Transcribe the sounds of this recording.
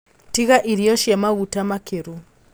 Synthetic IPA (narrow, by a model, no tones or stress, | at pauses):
tiɣaʔiɾijɔʃiamaɣutamakʰeɾu